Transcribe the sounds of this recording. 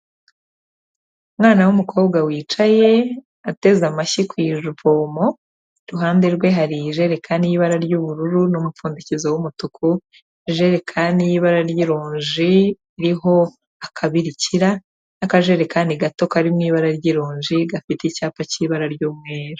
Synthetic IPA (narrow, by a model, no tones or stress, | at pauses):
umŋaːnawumukʰo̞ːβɡawiːt͡ʃaje̞ | ate̞zamaʃikwiːʒuvoːmo̞ | ɾuɦaːnde̞ɾɡwe̞ɦaɾiʒe̞ɾe̞kʰaniiβaɾaɾjuβuɾuɾunumufuːndicizowumutukʰu | ʒe̞ɾekʰanijiβaɾaɾjiɾoːɲʒiː | ɾiɦo̞ | akʰaβiɾiciɾa | nakaʒe̞ɾekaːndiɡato̞kaɾimŋiːβaɾaɾɟiɾoːɲʒiɡafiteicaːpaciːβaɾaɾɟuːmŋeːɾu